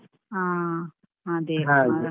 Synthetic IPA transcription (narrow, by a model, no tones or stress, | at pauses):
ã | ɦãd̪eɦã